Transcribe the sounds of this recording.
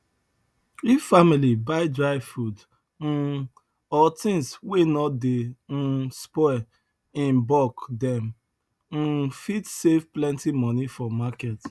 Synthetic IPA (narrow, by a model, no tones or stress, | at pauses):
ifamilibaɪdɹaɪfud | n̩ | ɔtĩnswenɔtden̩spɔɛ | ĩnbɔkdɛ̃m | n̩fitsefplɛ̃ntimɔnifɔmakɛt